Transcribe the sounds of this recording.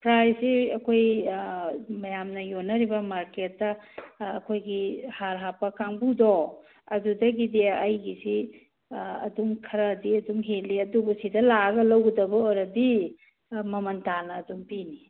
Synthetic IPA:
pɾajssiɐkʰoj | mɐjamnɐjonːɐɾibɐmaɾketːɐːkʰojɡihaɾɦapɐkʰaŋbudɔ | ɐdudɐɡideɐjɡisi | ɐ̰dumkʰɐɾɐdiɐduŋɦeliɐdubusidɐlaɡɐlɐwɡɐdɐbɐoɾɐdi | mɐmɐntanɐːduŋpini

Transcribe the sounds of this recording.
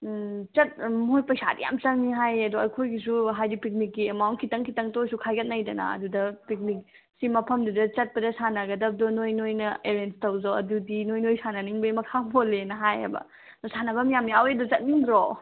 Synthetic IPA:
t͡ʃɐt̚mojpɐjsa̰dḭja̰mt͡ʃɐŋniɦajɐdɔɐjkʰojɡis̬uɦajdipik̚nikːiemawnt̚kʰitɐŋkʰitɐŋtojsukʰajɡɐt̚najdɐnɐ̰ɐ̰dudɐpik̚nik̚ | simɐpʰɐmdudɐt͡ʃɐt̚pɐdɐsanɐɡɐdɐp̚dɔnojnojnɐeɾenstɐwzawɐ̰dudinojnojsanɐniŋbɐjmɐkʰabolenɐɦajḛbɐ̰ | nosanɐbɐmijamjawedɔt͡ʃɐt̚niŋdɾo

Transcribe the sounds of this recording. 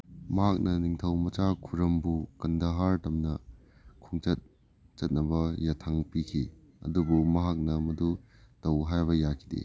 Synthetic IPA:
mɐɦak̚nɐniŋtʰɐwmɐt͡ʃakʰuɾɐmbukɐndɐɦaɾtɐmnɐ | kʰuŋt͡ʃɐt̚ | t͡ʃɐt̚nɐbɐjatʰaŋpikʰi | ɐ̰dubumɐɦak̚nɐmɐdu | tɐwɦajbɐjakʰidḛ

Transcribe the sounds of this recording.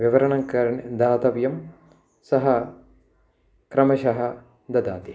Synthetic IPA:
ʋiʋɐɾɐɳɐŋkɐɾɐɳd̪aːt̪ɐʋjɐm | sɐɦɐ | kɾɐmɐʃɐɦɐ | d̪ɐd̪aːt̪i

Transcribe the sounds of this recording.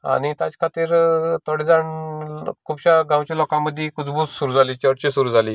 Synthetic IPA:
a̰ɽ̃it̪jat͡skʰat̪iːɾt̪ɔɽid͡zaɳ | kʰubɕaɡãwt͡ɕalɔkãməd̪ʱːjekud͡zbussuɾuːd͡zʱaliːt͡ɕəɽt͡ɕisuɾuːd͡zʱaliː

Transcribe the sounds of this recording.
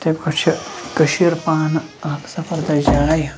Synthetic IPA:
t̪ebkot͡ʃʰkɐʃiɾpaːn | sɐfɐɾd̪ɐd͡ʒaːj

